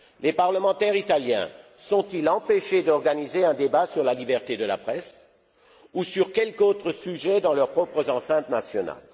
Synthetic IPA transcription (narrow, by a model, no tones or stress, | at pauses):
lepaʁləmɑ̃t̪ɛʁit̪aljɛ̰̃ | sɔ̃t̪ilɑ̃peʃed̪ɔʁɡanizeɛ̃d̪ebasyʁlalibɛʁt̪ed̪əla̰pχɛs | usyʁkʲɛlkot̪χəsyʒɛd̪ɑ̃lœʁpχɔpχəzɑ̃sɛ̃t̪nasjɔna̰l